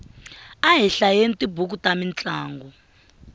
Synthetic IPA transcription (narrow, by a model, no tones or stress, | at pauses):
aɦɛɬajenitʼibʱuk̬utʼamint͡ɬʼaːŋɡɔ